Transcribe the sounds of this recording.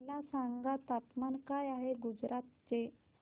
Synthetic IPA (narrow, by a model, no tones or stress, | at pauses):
lasaŋɡat̪ap̪mankajaɦeɡud͡zɾʔat̪t͡se